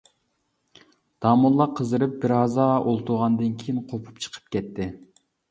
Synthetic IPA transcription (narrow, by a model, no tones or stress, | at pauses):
d̪̥ɑːmulˠːɑqʰəzɨɾɨp̚bɪɾɑzɑʔolˠt̪ʰuʁɑnd̪ɨnkʲʰijinqʰopʰu̥p̚t͡ʃʰə̥qʰə̥pkʲɛt̪ʰːɪ